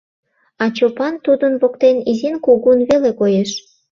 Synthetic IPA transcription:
ɑt͡ɕopɑnt̪ud̪ənβokt̪enizinkuɣunβelekojeʃ

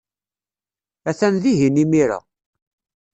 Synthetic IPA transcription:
æθænðiɦinimiɾa̰

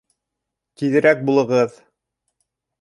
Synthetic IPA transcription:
t̪iðɘ̆ɾæk̚bulˠɤ̆ʁɤð

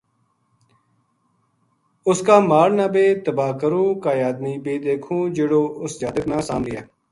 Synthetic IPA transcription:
ʊskaːmaːɽnãːbeːt̪əbaːkəɾũːkaːjaːd̪miːpeːd̪eːkʰũːd͡ʒeːɽoːʔʊsd͡ʒaːd̪ək̪nãːsã̰ːmlɪjaː

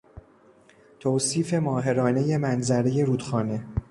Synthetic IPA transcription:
t̪ʰoːsiːfe̞mɒːɦe̞ɾɒːne̞je̞mænzæɾe̞je̞ɾuːd̪xɒːne̞

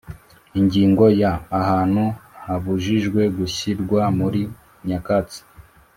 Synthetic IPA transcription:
iɲɟiːŋɡo̞jaːhaːn̥huhaβuʒiʒɡwe̞ɡuçiɾɡwamuɾi | ɲakat͡si̥

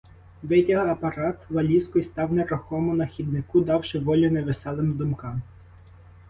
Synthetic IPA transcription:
ʋɛtʲɐɦɐpɐɾɑt̪ʋɐlʲiskɔjst̪ɑwnɛɾɔxɔmʊnɐxʲid̪̚nɪkud̪ɑwʃɪʋɔlʲinɛʋɪsɛlˠɪmd̪ʊmkɑm

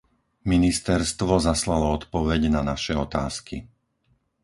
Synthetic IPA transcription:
minist̪ɛɾst̪ʋɔzaslalɔɔt̪pɔʋɛɟnanaʃɛɔt̪aːskḭ

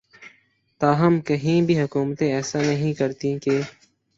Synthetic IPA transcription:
t̪aːɦɐmkəɦĩːbʱiɦʊkuːmt̪ẽɛːsaːnɐɦĩkəɾt̪ĩkeː

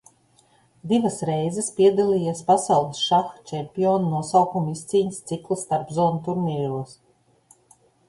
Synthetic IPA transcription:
d̪ivɐsɾɛjzɛspiɛd̪alʲˠiːjaspasawlˠɨsʃaxt͡ʃʲɛmʲpʲijoːnnuɔsawkumist̪siːɲst̪siklˠist̪aɾpzɔːnut̪uɾmʲiːɾuɔs

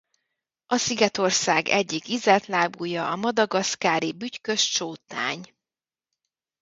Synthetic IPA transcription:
ɒsiɡɛt̪o̞rsaːɡɛɟːikizɛt̪laːbuːjɒʔɒmɒd̪ɒɡɒskaːɾibyckø̞ʃt͡ʃoːt̪a̰ːɲ

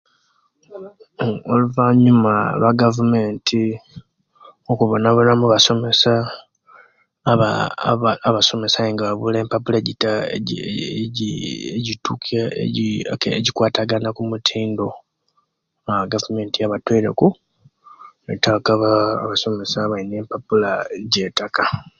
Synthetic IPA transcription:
oluvaɲumaβaɡavume̞ːntʰi | okuβonaβulamuβaso̞me̞sa | βaː | βaso̞me̞sajeŋɡaβaβuleːmpapuleɟita | eɟituk | eɟikwaːtaɡanakumutʰiːndo̞ | aβɡavume̞ːntijaβatweɾe̞̰ku | etakaβaːβaso̞me̞saβaine̞ːmpapulaɟe̞ːtaka

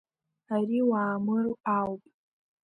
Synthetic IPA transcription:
aɾiwaːmɨrawpʼ

